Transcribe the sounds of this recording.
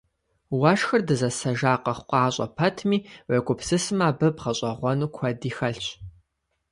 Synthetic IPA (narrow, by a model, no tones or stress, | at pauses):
wɐʃxɐrdɨzɐsɐʒaːqɐχqʷɑːɕʼɐ̰pʰɐtʰmiːwekʷʼʊpʰsɨsɨmaːbɨbʁɐɕʼɐʁʷɔnuːkʷʰɐdiːxɐɬɕ